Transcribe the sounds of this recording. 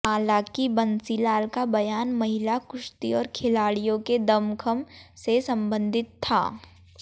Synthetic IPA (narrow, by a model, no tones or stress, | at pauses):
aːlakibɐnsilaːlkabɐjaːnmɐɦɪlakʊʃt̪iɔːɾkʰɪlaːɽijõked̪ɐmkʰəmsesɐ̃mbə̃nd̪ʱɪt̪ʰːa̰ː